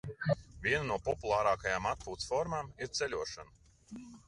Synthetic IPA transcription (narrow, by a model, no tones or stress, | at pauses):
vʲiɛnanuɔpɔpulˠaːɾaːkajaːmat̪̚puːt̪sfɔɾmaːmiɾt̪sɛlʲuɔʃanɐ